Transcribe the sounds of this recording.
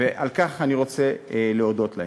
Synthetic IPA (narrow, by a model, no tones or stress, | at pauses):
eʔalkaχaniʁo̞t͡seleo̞d̪o̞t̪la